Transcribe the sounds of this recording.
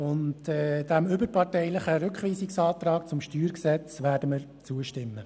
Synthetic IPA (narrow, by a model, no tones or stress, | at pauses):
ʊntɛd̥æmʏbəɾpɑrtɛɪləχəɾʏkχʋiːsɪksɑːt̪ɾɑːk̚t͡sʊmʃtyːɾksɛt͡svʋæːdəməɾ | t͡suəʃtɪmːə